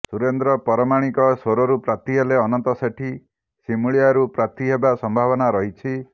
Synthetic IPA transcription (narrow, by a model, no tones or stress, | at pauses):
suɾend̪ɾɔpɔɾɔmaɽ̃ikɔsoɾɔɾupɾat̪iɦeleɔnɔnt̪ɔseʈʰi | simuɭijaɾupɾat̪iɦebasɔmbʱaβɔnaɾɔɦit͡ʃʰi